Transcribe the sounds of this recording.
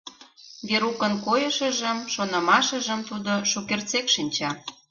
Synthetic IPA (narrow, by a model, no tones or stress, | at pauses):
βeɾukənkojə̆ʃə̆ʒə̆mʃonɤ̆mɑʃə̆ʒə̆mt̪ud̪oʃukert͡sekʃinʲt͡ɕɑ